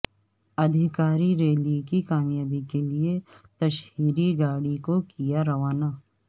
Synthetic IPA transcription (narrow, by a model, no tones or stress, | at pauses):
ɐd̪ʱɪkaːɾiɾeːlikikaːmjaːbikeliet̪ɐʃɦiːɾiɡaːɽikokijaɾɐʋaːnaː